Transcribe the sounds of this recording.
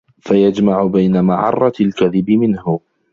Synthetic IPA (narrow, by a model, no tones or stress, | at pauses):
fajad͡ʒmaʕʊbajnamaːʕɑ̰rˤːɑlkaðɪbɪmɪnhʊ